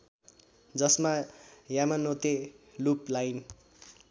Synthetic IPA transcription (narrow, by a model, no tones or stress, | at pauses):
d͡zʌsmajamanot̪eluplajn